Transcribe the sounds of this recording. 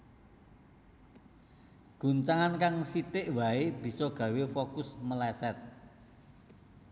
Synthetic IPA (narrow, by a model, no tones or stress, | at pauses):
ɡ̥ṳɲt͡ʃaŋankaŋsit̪ɪʔwaeb̥i̤sɔɡ̥ä̤wefokʊsməlɛsɛt̪̚